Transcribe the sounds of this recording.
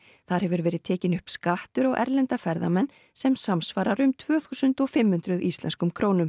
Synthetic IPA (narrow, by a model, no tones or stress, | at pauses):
θaɾ̥hɛvʏɾvɛːɾɪðt̪ʰɛːcɪnʏhpskaht̪ʏɾawʔɛ̰ɾlɛnt̪afɛɾða̰mɛnː | sɛmsamsvaːɾaɾʏmt̪ʰv̥œːθuːsʏnt̪ɔfɪmhʏn̥t̪ɾʏðist̪lɛ̰nskʏmkʰɾoːwnʏm